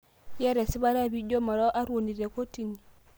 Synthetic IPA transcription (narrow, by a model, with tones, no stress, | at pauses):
jɛ˦ɾɛ˨si˦βa˦ɾa˦˨bi˦ɟo˦ma˨ɾɔ˦ʔa˦ɾwo˨ni˨ɾɛ˨ko˦ti˨ni˨